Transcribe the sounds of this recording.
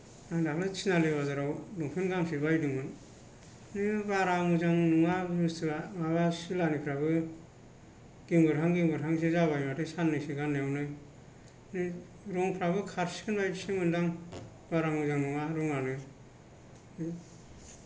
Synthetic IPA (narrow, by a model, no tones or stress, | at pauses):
aŋdaklɯt͡ʃʰinaleβazaɾawdɔŋpʰɯnɡaŋsibajdɯŋmɯn | nibaɾaŋuzaŋnuŋabstɯamaβasilanikʰɾabɯ | ɡ̥iŋbɯɾɦaŋɡiŋbɯɾɦaŋs̬izaβajmatesanːɯsiɡanːejawnɯj | ni | ɾɔŋpʰɾabɯkʰaɾsi̥kʰɯnbajdsɯŋɯndaŋ | baɾaŋɯzaŋnuŋaɾɔŋanɯ